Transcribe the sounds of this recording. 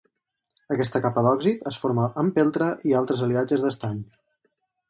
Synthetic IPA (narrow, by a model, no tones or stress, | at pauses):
əkɛst̪əkapəðɔɡzit̪əsfoɾməʔəmpɛlˠt̪ɾəʔialˠt̪ɾəzəliad͡ʒəzðəst̪aɲ